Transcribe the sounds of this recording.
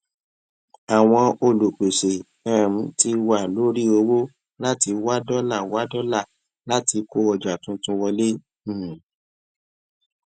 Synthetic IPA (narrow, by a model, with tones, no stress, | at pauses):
a˨w̃ɔ̃˧o˧lo˨k͡pe˨se˨ | ɛ˨m̩˨˦ti˧wa˦˨lo˦ɾi˦o˧wo˦ | la˦ti˧wa˦dɔ˦la˦˨wa˦dɔ˦la˦˨ | la˦ti˧ko˦ɔ˧˨d͡ʒa˨tũ˨˦tũ˧˦wɔ˧le˦˨